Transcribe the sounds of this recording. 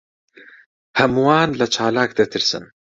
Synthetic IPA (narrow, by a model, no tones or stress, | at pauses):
hɐmwaːnlat͡ʃaːlaːk̚d̪et̪ɪɾsa̰m